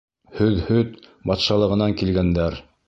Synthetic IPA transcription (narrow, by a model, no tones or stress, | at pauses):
hɵðhɵðbɑt̪ʃɑlˠɤ̆ʁɤ̆nɑŋkilɡænd̪æɾ